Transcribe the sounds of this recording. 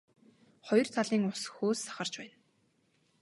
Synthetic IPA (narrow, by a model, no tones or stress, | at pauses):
χɔj̆rt̪ʰaɮiːŋʊsxoːsːḁχə̆rt͡ɕpæːn